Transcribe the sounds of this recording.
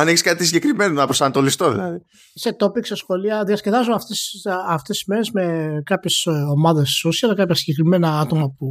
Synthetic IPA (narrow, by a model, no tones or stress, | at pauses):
ɐneçiskɐt̪isiɟe̞kɾime̞nonɐpɾosɐnɐt̪o̞list̪o̞ðḭlɐ̰ði | se̞t̪o̞piksesxo̞liɐðiɐsce̞ðɐzumɐft̪esɐft̪esi̥zme̞ɾezme̞kɐpçesomɐðe̞sosiɐlɐkɐpçɐsiɟekɾime̞nɐɐt̪omɐpu